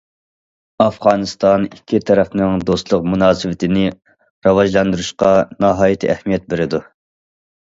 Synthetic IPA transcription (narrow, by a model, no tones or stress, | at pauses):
ɑfʁɑːnɨst̪ɑnikʲʰːit̪ʰɛɾɛfnɨŋd̪ost̪lˠʊqmunɑːsɨvɪt̪ʰɪnɪ | ɾɑwɑʒlˠɑnd̪uɾuʃqɑnɑɦɑːjit̪ʰḭʔɛhmijɛt̪̚beɾɪd̪u